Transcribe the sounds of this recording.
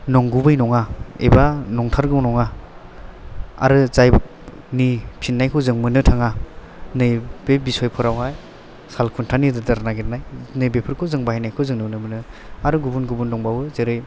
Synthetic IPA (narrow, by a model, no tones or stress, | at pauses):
nɔŋɡubɯjnɔŋaḛbanɔŋtʰaɾɡɯwnɔŋa | a̰ɾɯzajb | nipʰinːajkʰɔzɯŋmɯnɯtʰaŋa | nɯjb̥ebisɔjpʰɯɾawaj | salkʰuntʰanidɯdaɾnaɡiɾnajnɯjbepʰɯɾkʰɔzɯŋbahajnajkʰɔwzɯŋnɯwnɯmɯnɯ | aɾɯɡubunɡubundɔŋbawɯzeɾɯj